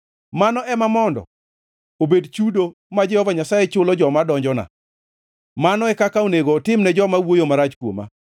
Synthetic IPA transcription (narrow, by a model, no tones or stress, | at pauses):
manɔʔɛmamɔndɔ̰ | obedt͡ʃudo | mad͡ʒɛhɔvaɲasajɛt͡ʃʊlɔd͡ʒɔmadɔɲd͡ʒɔna̰ | manɔɛkakaoneɡoːtɪmnɛd͡ʒɔmawojomaɾat͡ʃkwo̰ma̰